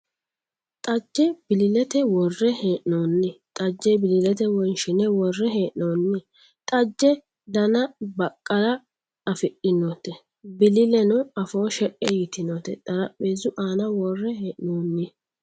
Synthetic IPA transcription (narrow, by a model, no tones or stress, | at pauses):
t̪ʼɐd͡ʒːɛb̥ɪlɪlɛt̪ɛwɔrːɛheːʔnoːnːɪt̪ʼɐd͡ʒːɛbɪlɪlɛt̪ɛwɔnʃɪnɛwɔrːɛɦeːʔnoːnːɪ | t̪ʼɐd͡ʒːɛ | d̪ɐnɐbɐkʼːɐɾɐ | ɐfɪʔʼɪnoːt̪ɛ | bɪlɪlɛnʊɐfoːʃɛkʼːɛjɪt̪ɪnot̪ɛ̰t̪ʼɐɾɐpːeːzʊʔaːnɐwɔrːɛheːʔnoːnːɪ